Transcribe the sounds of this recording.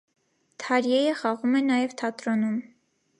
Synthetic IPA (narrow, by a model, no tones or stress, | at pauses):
t̪ʰɑɾjɛjəχɑʁumɛnɑjɛvt̪ʰɑt̪ɾɔnum